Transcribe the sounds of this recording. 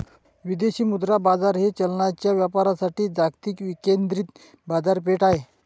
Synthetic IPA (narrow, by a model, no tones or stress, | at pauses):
ʋid̪eɕiːmud̪ɾabad͡zaɾɦet͡ɕəlɳat͡ɕjaʋjapaɾasaʈiːd͡zakt̪iːkʋikend̪ɾiːt̪ | bad͡zaɾp̬eʈaɦe